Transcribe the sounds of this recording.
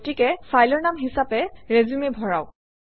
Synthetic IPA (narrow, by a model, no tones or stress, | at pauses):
tikɛfʰajlɔɹnamɦisapɛɹezumebʱɔɹaʊ